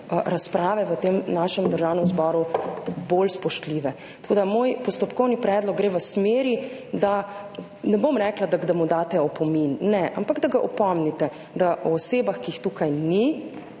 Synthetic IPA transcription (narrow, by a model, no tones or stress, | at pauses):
ɾaspɾaːʋɛʋət̪emnaʃɛmd̪əɾʒawnɛmzbɔːɾubolspɔʃt̪liʋɛ | t̪ɐ̥koːd̪amojpɔst̪ɔpkɔwnipɾɛːd̪lɔk̚ɡɾeːʋəsmeːɾid̪a | nɛbomɾɛːklad̪aɡd̪amud̪aːt̪ɛɔpɔminːɛʔa̰mpaɡd̪aɡaʔɔpɔmnit̪ɛ | d̪aʔɔːseːbaxkiixt̪uːkajni